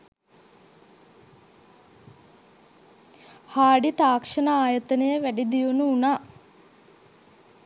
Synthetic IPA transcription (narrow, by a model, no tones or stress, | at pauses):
haːɖit̪aːkʂənaaːjət̪ənəjəʋæɖid̪iunuunaː